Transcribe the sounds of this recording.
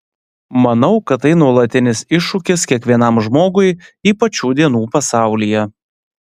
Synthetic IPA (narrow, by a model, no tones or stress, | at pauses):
mɐnɐʊkɐt̪ːɐɪnuɔlˠɐt̪ʲɪnʲɪsɪʃːʊkʲɪskʲiɛkʋʲiɛnɐmʒmoːɡʊɪiːpɐt͡ʃʲuːd̪ʲiɛnuːpɐsɑˑʊlʲijɛ